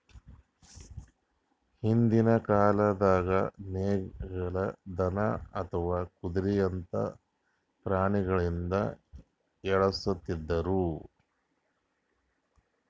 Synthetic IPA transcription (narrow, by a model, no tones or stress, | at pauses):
hind̪inɐkaːlɐd̪aːɡɐneːɡɐɭɐd̪ɐnɐɐt̪ʰɐʋaːkud̪uɾijɐnt̪ɐ̰ | pɾaːɳiɡɐɭind̪ɐ̰ | ɛɭɐsut̪ːid̪ːɐɾu